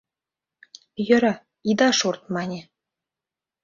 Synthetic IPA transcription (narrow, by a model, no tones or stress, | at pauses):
jø̆ɾɑ | id̪ɑʃort̪̚mɑnʲe